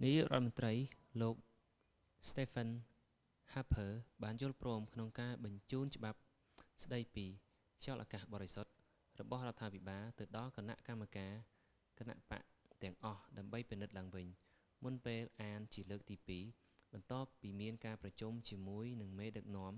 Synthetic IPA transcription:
nijṵːʔrŏət̪̚mənt̪rəjloːk̚ | st̪eːfʰən | haːpʰəːɓaːnjŭəlproːmkʰnoŋkaːɓɑɲt͡ɕuːnt͡ɕə̆ɓap̚ | sɗəjpiː | t͡ɕaɔlʔaːkaːhɓɑːɾesot̪̚ | rɔɓɑhrŏət̪ʰːaːpʰiɓaːlt̪ɨwɗɑlkana̰ʔkamːakaː | kana̰ʔpa̰ʔt̪ɛ̆əŋʔɑhɗaəmɓəjpinɨt̪̚laːŋʋɨɲ | munpeːlʔaːnt͡ɕiələːk̚t̪iːpiː | ɓɑnt̪ŏəpːiːmiənkaːprɑt͡ɕumt͡ɕiəmuəjnɨŋmeːɗɨk̚nŏəm

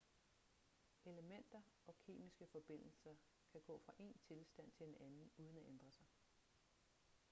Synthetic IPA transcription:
e̝ləmen̰d̥ɐ | ɒ̽kʰe̝̰ːmisɡ̥əfɒ̽b̥e̝n̰l̩sɐ | kʰæɡ̥ɔ̰̽ːfʁɑ̈ʔe̝̰nt͡sʰe̝lsd̥æn̰t͡sʰe̝enænn̩uːð̞ˠən̩æʔend̥ʁɐsɑ̈ɪ

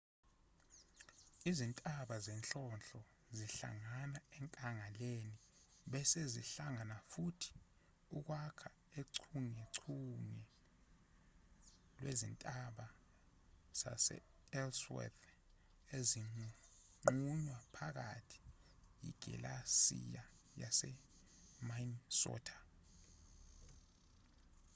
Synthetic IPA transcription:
izintʼaɓazɛnɬʼɔnɬɔ | ziɬa̰ŋanaɛŋkʼaŋaleni | ɓɛsezḭɬaŋanafutʰi̥ | uk̬wakʰa | eǀʰuŋeǀʰuŋɛ | lwʔḛzḭntʼaɓa | z̥a̰sɛ̰ | ɛlswɛ̰θ | eziŋ͡ǃ | ŋ͡ǃuɲwapʰak̬a̰tʰi̥jḭɡ̥ʱɛ̰lasḭja | ja̰sɛ | mansɔ̰ːtʰḁ

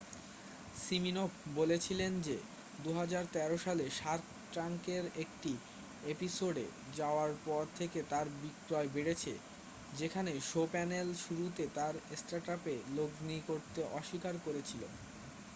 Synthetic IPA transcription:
siminofbolet͡ɕʰilend͡ʑe | d̪uɦad͡ʑaɾt̪ɛɾoʃaleʃaɾt̪ | ʈɾaŋkeɾek̚ʈi | episoɖḛ | d͡ʑaoaɾpɔɾt̪ʰeket̪aɾbikɾɔebeɽet͡ɕʰḛ | d͡ʑekʰaneʃopɛnelʃuɾut̪et̪aɾsʈaɾʈapeloɡnikoɾt̪eʔɔʃikaɾkoɾet͡ɕʰilo̰

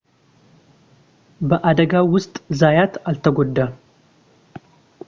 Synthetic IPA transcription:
bəʔad̪əɡawʊst̪ʼzajat̪alt̪ʰəɡod̪ːa

